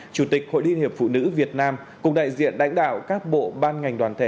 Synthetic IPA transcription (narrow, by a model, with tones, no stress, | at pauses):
t͡ɕu˧˩t̪ï˨˩k̚ho̰˧˨jli˧nhi˨˩əp̚fṵ˧˨nɨ̰˧˥vi˨˩ət̚naː˧m | kʊ˨˧˩ŋ͡mɗa̰ː˧˨jzḭ˧˨ənɗa̰˧˥jŋ̟ɗa̰ː˧˨wkaː˦˥k̚ɓo̰˧˨ɓaː˧nŋa˨˩jŋ̟ɗwaː˨˩nt̪ʰe˧˩